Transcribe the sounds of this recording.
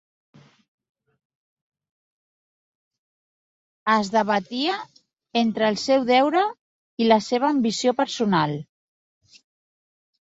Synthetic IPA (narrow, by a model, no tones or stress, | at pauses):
əzðəβət̪iə | ent̪ɾəːlˠsɛwðɛwɾə | iləseβ̞əːmbisiopəɾsunalˠ